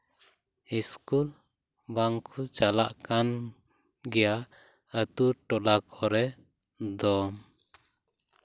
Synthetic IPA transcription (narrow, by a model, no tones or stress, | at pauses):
iskul | baŋkʰut͡ʃalaʔkan | ɡɛja | ət̪uʈɔlakʰɔɾɛ | d̪ɔm